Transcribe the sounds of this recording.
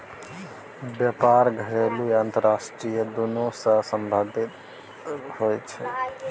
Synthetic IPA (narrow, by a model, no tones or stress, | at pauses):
bjəpaːɾɡʱəɾeːluãnt̪əɾaːʃʈɾijəd̪onosəsəmbʱad̪ʱɪt̪ | ɦoːjt͡ʃʰɛ